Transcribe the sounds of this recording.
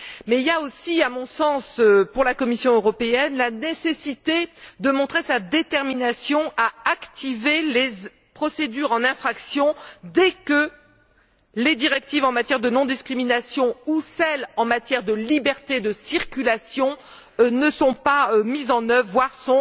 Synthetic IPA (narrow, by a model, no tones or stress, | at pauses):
mɛiljaosiamɔ̃sɑ̃søpuʁlakɔmisjɔ̃øʁɔpeɛnlanesesit̪ed̪əmɔ̃t̪χesad̪et̪ɛʁminasjɔ̃aakt̪ivele | pχɔsed̪yʁɑ̃nɛ̃fχaksjɔ̃d̪ɛkə | led̪iʁɛk̚t̪ivɑ̃mat̪jɛʁd̪ənɔ̃d̪iskχiminasjɔ̃usɛlɑ̃mat̪jɛʁd̪əlibɛʁt̪ed̪əsiʁkʲylasjɔ̃ | nəsɔ̃pamizɑ̃nœvʁvwaʁsɔ̃